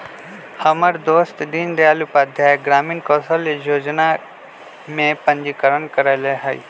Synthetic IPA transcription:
hɐməɾd̪oːst̪ɗiːnd̪jaːlupaːd̪ʱjaːjeɡɾaːminkɔːsəlejoːd͡ʒna | mẽpɐ̃ɲd͡ʑikəɾənkəɾajleɦaḭ

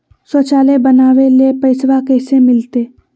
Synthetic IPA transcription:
sot͡ʃaːlebənaːʋelepɐɪsʋakɛːsemɪlt̪eː

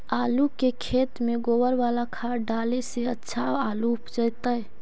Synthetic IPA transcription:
alukekʰet̪meɡowəɾʋalakʰaɾɖaleseətːʃʰaoaluːpd͡ʒəjt̪əj

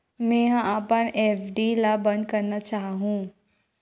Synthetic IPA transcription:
mɛ̃ːɦãapənʔeːfɖilabɐ̃nd̪̚kɐɾnat͡ʃaːɦɦũː

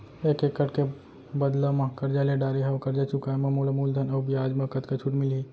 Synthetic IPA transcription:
eːkekːɐʈke | bɐd̪ləmãkɐɾd͡ʒaːleɖaːɾiɦawkɐɾd͡ʒat͡ʃʰʊkaːemɐmulamuːld̪ʱɐnɐbʱiaːd͡ʒmɐkɐt̪kat͡ʃʰuʈmɪliː

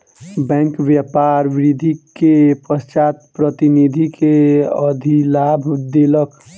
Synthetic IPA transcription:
bɛ̃ŋkʋjəpaɾʋɾid̪ʱikepəst͡ʃat̪pɾət̪inid̪ʱikʰeəd̪ʱilabʱd̪elək

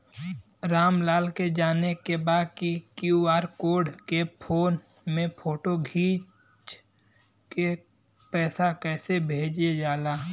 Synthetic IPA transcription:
ɾaːmlaːlked͡ʒaːnekebaːd̪̚kikjuaːɾkoːɖkepʰoːn | mẽpʰoːʈoɡʱiːt͡ʃ | t͡ʃ | ke | pɛːsakɛːsebʱeːd͡ʒed͡ʒaːlaː

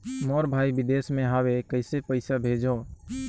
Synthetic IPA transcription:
mɔːɾbʱaːibɪd̪eːsmẽɦawekəɪsepəɪsabʱeːd͡ʒɔː

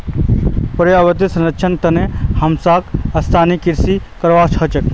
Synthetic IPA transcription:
pɐɾjɐʋɐt̪̬isɐnɐtːt͡ʃʰɐnt̪ɐnehɐmsaːkɐst̪ʰaːnikiɾsikɐɾʋaːt͡ʃʰhɐt͡ʃɐk̚

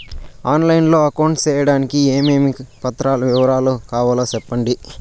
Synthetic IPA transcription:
aːnlɐjnlo̞ːɐkɐwɳʈt͡ʃɛːjɐɽaːnikieːmeːmipɐt̪ːɾaːlɐʋiʋɐɾaːlukaːʋaːlaːsɛpːɐɳɖi

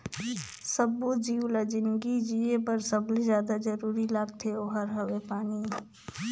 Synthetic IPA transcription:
səbːod͡ʒiːulad͡ʒɪnɡid͡ʒiepəɾsəblezjaːd̪ad͡ʒəɾuːɾilaːɡt̪ʰeoɦəɾɦəwepaːni

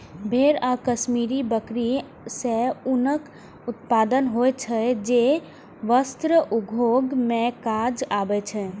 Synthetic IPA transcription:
bʱeɾakəʃmiɾibəkɾi | seʊnək | ʊt̪̚paːd̪ənɦot͡ʃʰɛd͡ʒe | ʋəst̪ɾəʔuɡʱoɡmẽkad͡ʒabɛt͡ʃʰɛ

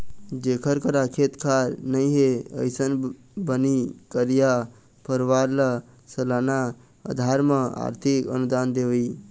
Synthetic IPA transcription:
d͡ʒekʰəɾkəɾakʰet̪kʰaɾnəjɦeə̰jsən | bənikəɾija | pəɾʋaɾlə | səlana | ə̰d̪ʱaɾməa̰ɾt̪ʰikə̰nud̪and̪eʋəj

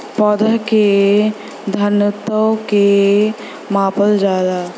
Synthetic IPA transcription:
pɔd̪əke | d̪ʱənət̪əwke | maːpəld͡ʒaːd̪a

